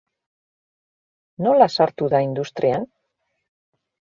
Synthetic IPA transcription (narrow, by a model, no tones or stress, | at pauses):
no̞lasaɾt̪uðaind̪ust̪ɾian